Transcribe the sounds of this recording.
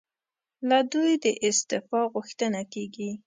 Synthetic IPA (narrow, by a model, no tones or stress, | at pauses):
lad̪ujd̪əʔɪst̪ɪfɑɣʊxt̪ənakeɡi